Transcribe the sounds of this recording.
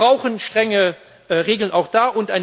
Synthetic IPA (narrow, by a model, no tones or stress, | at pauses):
ʁaʊxənʃtʁ̥ɛŋə | ʁeːɡl̩nʔaʊxd̥aːʔʊntʔaɪn